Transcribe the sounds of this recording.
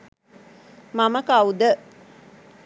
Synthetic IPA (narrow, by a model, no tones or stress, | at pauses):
maməkaud̪ə